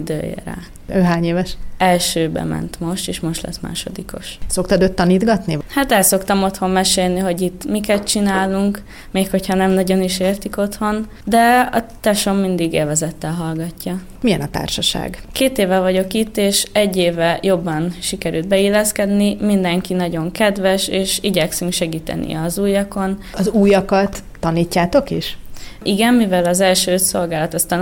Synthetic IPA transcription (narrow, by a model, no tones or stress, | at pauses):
id̪ø̰ːḛɾa̰ː | øːɦaːɲeːvɛʃɛlʃøːbɛ̰mɛ̰nt̪mo̞ʃt̪eːʃmo̞ʃt̪lɛ̰sma̰ːʃo̞̰d̪iko̞̰ʃso̞k̚t̪ɒd̪øːt̪ːɒniːd̪ɡɒt̪nihat̪ɛlso̞kt̪ɒmo̞t̪ho̞mːɛʃeːlniɦo̞ɟit̪ːmikɛt̪̚t͡ʃinaːluŋk | meːkho̞chɒnɛmnɒɟo̞niʃeːrt̪iko̞t̪ho̞n | d̪ɛɒ̰t̪ɛʃo̞mːind̪iɡḛːlvɛzɛt̪ːɛlɦɒlɡɒcːɒ | mijɛnɒt̪a̰ːrʃɒʃa̰ːɡkeːt̪eːvɛvɒɟo̞kit̪ːeːʃɛɟːeːvɛjo̞bːɒnʃikɛɾylt̪̚bɛilːɛskɛd̪nimind̪ɛŋkinɒɟo̞ŋkɛd̪vɛʃeːʃiɟɛksyŋkʃɛɡiːt̪ɛ̰nḭɒzuːjɒko̞n | ɒzuːjɒkɒt̪ːɒniːcːaːt̪o̞kiʃiɡɛnmivɛlɒzɛlʃøːso̞lɡaːlɒt̪ɒst̪a